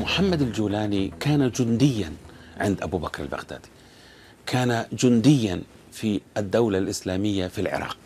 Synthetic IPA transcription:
mʊħamːad̪ald͡ʒuːlaːnikaːnad͡ʒʊnd̪ɪjːanʕɪnd̪ʔabubakɾˤa̰lba̰ɣd̪a̰ːd̪̥i̥ | kʰaːnad͡ʒʊnd̪ɪjːan | fiad̪ːawlalʔɪslaːmɪjːafilʕɪ̰ɾˤɑ̰ːq̚

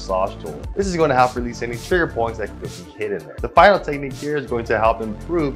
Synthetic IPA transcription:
sɑʃt̩ʰˠðɪs̬ɨzɡõnɨɦəfpɹilisɛnitʰɹ̥ɪɡə˞pʰɔ̃ɪ̃ntsɨkbɪkkhɪɾɨ̃nðə̰˞ðəfãɪ̃nl̩ˠtʰɛk̚nikʰɛɹɨzɡoʊɪ̃ŋtʰɨɦɛlˠpɨ̃mpʰɹ̥ʉv

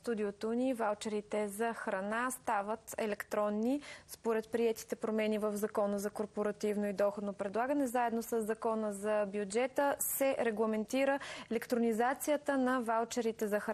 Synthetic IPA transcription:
st̪ud̪iot̪onivalˠt͡ʃɛɾit̪ɛzɐxɾɐnast̪avət̪ɛ̰lɛkt̪ɾɔnːispoɾɛt̪pɾiɛt̪i̥t̪ɛpɾomɛnivəvzɐkɔnəzɐkoɾpoɾɐt̪ivnoid̪ɔxod̪nopɾɛd̪lˠaɡənɛzaɛd̪nosəzːɐkɔnəzɐbjud͡ʒɛt̪əsɛɾɛɡlˠɐmɛnt̪iɾəɛlɛkt̪ɾonizat̪sijət̪ənɐvalˠt͡ʃɛɾit̪ɛzɐx

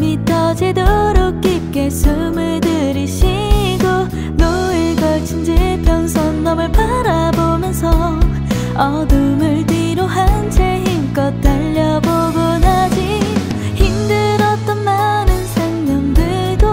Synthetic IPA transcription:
mitʰʌd͡ʑedoɾɯk̚k͈ip̚k͈esɯmɯɭdɯɾiɕʰiɡo | noeɡʌt͡ɕʰind͡ʑepjʌŋsʰʌnːʌmɯɭpʰaɾabomjʌnsʰʌ | ʌ | dɯmɯɭdiɾoɦant͡ɕʰeɦimk͈ʌt͈aʎːʌboɡɯnɦad͡ʑi | çimdɯɾʌt̚t͈ʌnmanɯnsʰaŋɲamdɯɭ | do

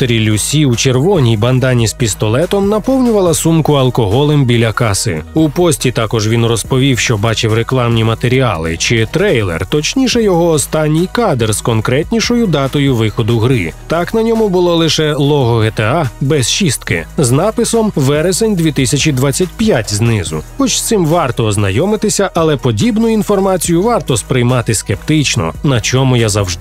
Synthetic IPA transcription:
t̪eɾʲilʲusʲiut͡ʃerʋɔnʲijbɐnd̪ɑnʲispʲist̪ɔlˠɛt̪ɔmnɐpɔwnʲʊʋɐlˠɐsumkʊɐlˠkɔɦɔlˠɛmbʲilʲɐkɑsɪ̰upɔsʲtʲit̪ɑkɔʒʋʲinrɔspɔʋʲiwʃt͡ʃɔbɑt͡ʃɪwɾeklˠɑmnʲimɐt̪eɾʲiɑ̰lˠɪ̰t͡ʃɪt̪ɾɛjlˠɛ̰rt̪ɔt͡ʃnʲiʃɛjɔɦɔːst̪ɑnʲːijkɑd̪erskɔnkɾɛtʲnʲiʃɔjʊd̪ɑt̪ɔjʊʋɪxɔd̪ʊɦɾɪt̪ɑknɐnʲɔmʊbʊlˠɔlˠɪʃɛlˠɔɦɔɦet̪eɑbɛst͡ʃist̪̚kɪ̰znɑpɪsɔmʋɛɾesenʲd̪ʲʋʲit̪ɪsʲɐt͡ʃʲid̪ʋat͡sʲːɐtʲpjatʲznɪzʊ̰xɔt͡ʃst̪sɪmʋɑrt̪ɔːznɐjɔmɪt̪ɪsʲɐʔɐlˠɛpɔdʲibnʊinfɔrmɑt͡sʲijʊʋɑrt̪ɔspɾɪjmɑt̪ɪskept̪ɪt͡ʃnɔ̰nɐt͡ʃɔmʊjazɐwʒd̪ɪ

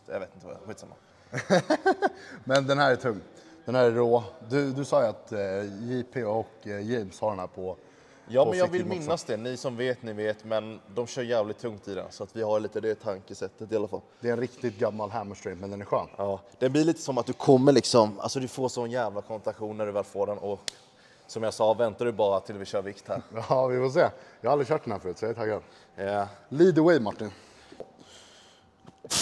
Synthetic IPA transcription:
ja̰veːt̪ɪnt̪əva̰ɧiːt̪sa̰mːa̰ | mɛnd̪ɛnɦæːɾæʈʰɵŋd̪̥ɛnhæːɾɛɖoːd̪ɵd̪ɵsɑːjat̪jipʰeɔkjɛmshaɖɛnhæːɾpʰɔ | jɑːmɛnjɑːɡvɪlmɪnːasd̪ɛnɪsɔmveːt̪nɪveːt̪mɛnd̪ɔmɕœːɾjæːvlɪt̪̚ʰːɵŋt̪ɪd̪ɛ̰nsɔat̪vɪhaɾɭiːt̪əd̪ɛt̪ʰaŋkəsɛt̪ːət̪ɪalːafa̰lːd̪ɛɾɛnɾɪkt̪ɪt̪̚ɡamːalɦæmɔsɾiːpmɛnd̪ɛnæɾɧœ̰ːnɑːd̪̥ɛnblɪɾɭiːt̪əsɔmat̪̚d̪ɵkʰɔmːəɭlɪksɔma̰lsɔd̪ɵfoːsɔnːjæːvlakʰɔmɛnt̪aɧuːnːæɖɵvɛːlfoːɖɛnʔɔk | sɔmjɑsɑːvɛnt̪aɖɵbɑːɾat̪ʰɪlvɪɕœːɾvɪkt̪hæːɾɑvɪfɔs̬eːjɑhaalɾɪɕœːʈ̚d̪ɛnhæɾfœɾʉːt̪sɛt̪ʰaɡan | liːd̪əwɛjmaʈːɪn

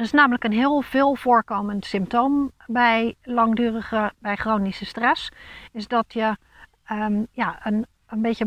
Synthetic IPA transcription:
ɪsnaːmələkənɦɪəlˠv̥ɪːlˠv̥oːɹkoːməntsɪmp̚toːmbɛjlɑŋdyːrəɣəbɛjχroːnisəstrɛsɪsdɔtʰjə | jaən | ənbɪtjə

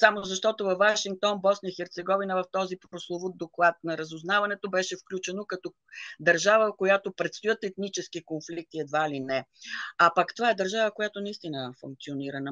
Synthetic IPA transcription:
samoʊzɐʃt̪ɔt̪ovɐvːaʃiŋk̚t̪ɔnbɔsnəjəxɛɾt̪sɛɡɔvinəvɐft̪ɔzipɾoslˠovod̪oklˠat̪̚nɐɾəzʊznavɐnɛt̪obɛʃɛfklʲut͡ʃɛnokɐt̪ɔ | d̪ɐɾʒavəkojat̪opɾɛt̪st̪ojət̪ɛt̪nit͡ʃɛskikonflik̚t̪iɛd̪vailinɛɐpəkt̪ovaɛd̪ɐɾʒavəkojat̪onɐist̪inəfṵŋk̚t̪sioniɾɐnə

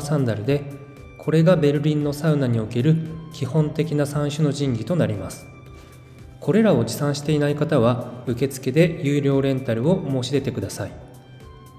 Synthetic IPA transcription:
sãnd̪aɾɯ̟d̪e̞ | kʰo̞ɾe̞ɡabe̞ɾɯ̟ɾʲĩnːo̞saɯ̟naɲ̟io̞ke̞ɾɯ̟kʲihõ̞nt̪e̞kʲinasãɰ̃ɕɨno̞ʑĩŋɡʲit̪o̞naɾʲimasɨ̥ | kʰo̞ɾe̞ɾao̞d͡ʑisãɰ̃ɕi̥t̪e̞inaikat̪aβ̞aɯ̟ke̞t͡sɨ̥ke̞d̪e̞jɯːɾʲo̞ːɾẽ̞nt̪aɾɯ̟o̞mo̞ːɕid̪e̞t̪e̞kɯ̟d̪asai

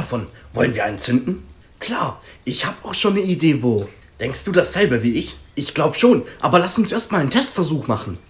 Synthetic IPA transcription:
afɔnvɔlənviːɐʔaɪnt͡sʏndn̩ | kʰl̥aːɐʔɪçhaːbəaʊxʃoːnəideːvoː | d̥ɛŋkst̚d̥uːdasz̥ɛlbəviːɪçʔɪçɡ̥laʊbəʃoːnʔa̰ːbɐlasʊnsʔeːɐst̚maːlntʰɛstfɛɐzuːχmaχn̩

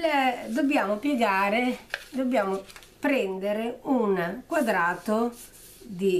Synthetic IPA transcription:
d̪objaːmʊpjɛɡaːɾed̪objaːmʊ | pɾɛnd̪eɾeunkwad̪ɾaːt̪o | d̪i

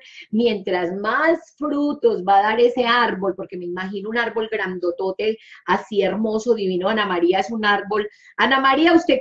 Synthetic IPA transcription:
mje̞nt̪ɾazmasfɾut̪o̞zbaðaɾese̞aɾbo̞lpo̞ɾke̞meimaxinounaɾbo̞lɡɾand̪o̞t̪o̞t̪e̞asieɾmo̞soðiβinoanamaɾiaesunaɾbo̞l | anamaɾiaust̪e̞

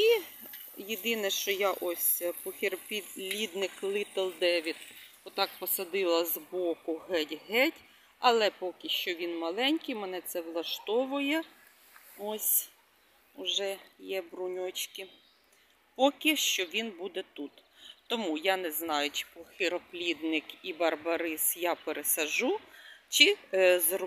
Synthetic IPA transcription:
i | jed̪ɪnɛʃt͡ʃɔjaʔɔsʲpɔxʲiɾpʲilʲid̪nɪxlˠɪt̪ɛlˠd̪ɛʋʲit̪ | ɔt̪ɑk̚pɔsɐd̪ɪlˠɐzbɔkʊɦɛtʲɦɛtʲ | ɐlˠɛpɔkʲɪʃt͡ʃɔʋʲinmɐlˠɛnʲkijmɛnɛt̪sɛʋlˠɐʃt̪ɔʋʊjɛ | ɔsʲ | ʊʒɛjɛbɾʊnʲɔt͡ʃkɪ | pɔkʲɪʃt͡ʃɔʋʲinbud̪ɛt̪ut̪t̪ɔmujɑnɛznɑjʊt͡ʃɪ̥pɔxɪɾɔplʲid̪nɪkibɐrbɐɾɪsjɑpeɾesɐʒut͡ʃɪzrɔ

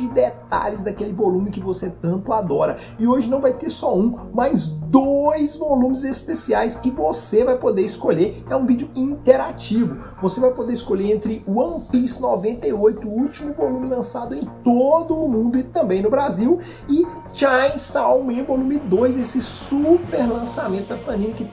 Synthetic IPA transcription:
d͡ʒɪd̪et̪a̰ʎɪzd̪akelɪvolũmɪkɪvoset̪ɐ̃nt̪ʊad̪ɔɾɐ | ɪoʒɪnɐ̃w̃vajt̪eɾsɔũmajzd̪ojzvolũmɪzespesiajskɪvosevajpod̪eɾɪskoʎeɛũvid͡ʒʊĩnt̪eɾat͡ʃivʊ | vosevajpod̪eɾɪskoʎeɾẽnt̪ɾɪʊɐ̃plisnɔvẽnt̪ejojt̪ʊuwt͡ʃimʊvolũmɪlɐ̃sad̪ʊẽj̃t̪od̪ʊːmũnd̪ʊɪt̪ɐ̃mbẽj̃nʊbɾaziw | ɪ | t͡ʃãsawmẽvolũmɪd̪ojzesɪsupeɾlɐ̃samẽnt̪ʊɐfɐ̃nĩnʊkɪ

